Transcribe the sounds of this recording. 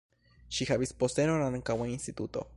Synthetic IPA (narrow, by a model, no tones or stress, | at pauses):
ʃihaβispost̪enonanaŋkawainst̪it̪ut̪o̰